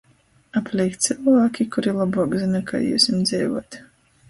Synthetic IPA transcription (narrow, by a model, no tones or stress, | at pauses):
aplʲɛjkt̪t̪sɨlˠvaːkʲikuɾilˠabuɔɡzinakʰa̰ːjṵːsʲimd̪zʲɛːvṵɔt̪